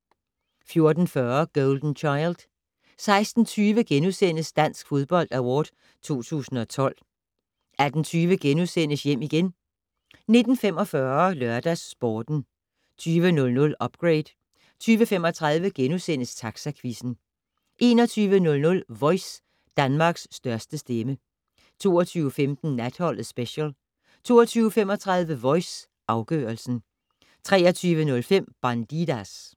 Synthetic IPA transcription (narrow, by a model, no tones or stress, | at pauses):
fjo̝ɐd̥n̩fɶɐɡ̥ɔld̥n̩t͡ɕʰɑ̈ɪld̥ | sɑ̈ɪsd̥n̩t͡sʰyːʋəɡ̥enusen̰əsd̥æn̰sɡ̥fo̝ðˠb̥ɒ̽l̰d̥æwɒːd̥ | t͡sʰo̝̰ːt͡sʰṵːsn̩ɒ̽t͡sʰɒ̽l̰ | æd̥n̩t͡sʰyːʋəɡ̥enusen̰əsjem̰iɡ̥en | ne̝d̥n̩fem̰ɒ̽fɶɐlɶɐd̥æsːb̥ɒːd̥n̩ | t͡sʰyːʋənɔ̽lnɔ̽lɒ̽b̥̚ɡ̥ʁeɪd̥ˠ | t͡sʰyːʋəfem̰ɒ̽t͡sʰʁɑ̈ðˠʋəɡ̥enusen̰əst͡sʰɑ̈ɡ̥sækʰʋisn̩ | ʔe̝ːnɒt͡sʰyːʋənɔ̽lnɔ̽lʋɒ̽ɪs | d̥ænmɑ̈ːɡ̥sːd̥ɶɐsd̥əsd̥emə | t͡sʰo̝̰ːɒt͡sʰyːʊəfemd̥n̩næd̥hɒ̽l̰ðsb̥eɕəl | t͡sʰo̝̰ːɒt͡sʰyːʊəfemɒ̽t͡sʰʁɑ̈ðˠʋəʋɒ̽ɪs | ʔɑ̈ʊɡ̥œːɐlsn̩ | t͡sʰʁɛːɐt͡sʰyːʋənɔ̽lfem̰b̥ɑnd̥id̥æs